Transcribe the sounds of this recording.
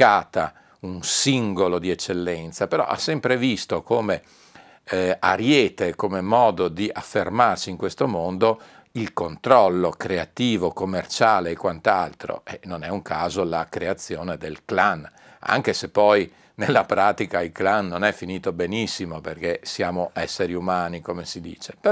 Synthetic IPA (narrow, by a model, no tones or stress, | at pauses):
aːt̪a | unsiŋɡolod̪iet͡ʃːelːɛnt̪sapeɾɔ̰ʔa̰sɛmpɾevist̪okoːme | a̰ɾjeːt̪ekomemɔːd̪od̪iʔafːermarsiːŋkwest̪omond̪o | ilkont̪ɾɔlːokɾeat̪iːvokomːert͡ʃaːleːkwant̪alt̪ɾo̰ʔɛnonɛuŋkaːzolakɾeat̪sːjoːned̪elklan | a̰ŋkesepːɔj | nelːapɾaːt̪ikailklanːonɛfːiniːt̪obenisːimoperkesjaːmoʔɛsːeɾiumaːnikomesid̪ḭːt͡ʃepe